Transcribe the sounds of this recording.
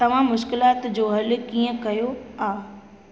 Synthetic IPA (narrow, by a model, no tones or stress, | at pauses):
t̪ɐʋ̤ãmʊʃkɪlaːt̪d͡ʑoːɦɐl̆kiːə̃kɐjoaː